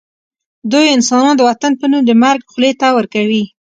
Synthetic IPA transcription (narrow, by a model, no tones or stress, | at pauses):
d̪ujɪnsɑnɑnd̪əwat̪anpənumd̪əmaɾɡxʊlet̪awəɾkawi